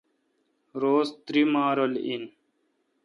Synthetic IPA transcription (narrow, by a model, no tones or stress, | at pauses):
ɾoːzt̪ɾimaːɾolḭn